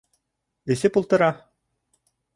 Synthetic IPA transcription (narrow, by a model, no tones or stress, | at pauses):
ɘ̆sɘpulˠt̪ɤ̆ɾɑ